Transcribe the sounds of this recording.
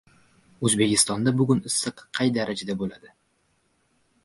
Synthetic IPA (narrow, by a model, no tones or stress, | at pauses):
ɵzbe̞kʲɪst̪ɒnd̪abʊɡʲʊnɪsːɨqːʰɑjd̪aɾad͡ʒad̪abolad̪ɪ